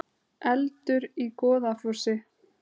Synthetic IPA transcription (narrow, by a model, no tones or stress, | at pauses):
ɛlt̪ʏɾikɔːðafusɪ